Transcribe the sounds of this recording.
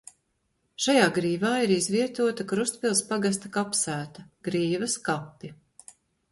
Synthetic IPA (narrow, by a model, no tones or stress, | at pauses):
ʃajaːɡɾiːvaːiɾizviɛt̪uɔt̪ɐkɾust̪pʲilˠspaɡas̬t̪akapsæːt̪ɐɡ̥ɾiːvɐskapːi